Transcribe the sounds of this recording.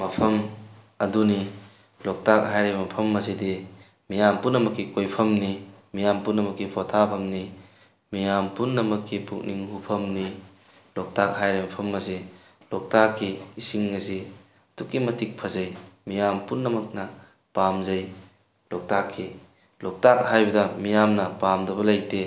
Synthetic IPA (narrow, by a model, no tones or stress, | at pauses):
mɐpʰɐm | ɐduni | lɔk̚tak̚ɦajɾemɐpʰɐmːɐsidi | mijampunːɐmɐkːikojpʰɐmnimijampunːɐmɐkːipʰɔtʰapʰɐmni | mijampunːɐmɐkʰːipʰuk̚nʔiŋhupʰɐmni | lɔk̚tak̚ɦajɾejmɐpʰɐmːɐse | lɔk̚takːiːsiŋːɐsi | tukːimɐtik̚pʰɐzɐjmijampunːɐmɐk̚nɐ | pamzɐj | lɔk̚takʰːi | lɔk̚tak̚ɦajbɐdɐmijamnɐpamdɐbɐlɐjte